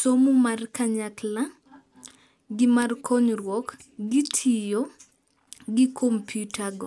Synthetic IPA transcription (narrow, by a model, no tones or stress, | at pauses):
somumarkaɲakla | ɡɪmarkʰɔɲrwɔk | ɡitʰijo | ɡikʰompjutʰaɡɔ̰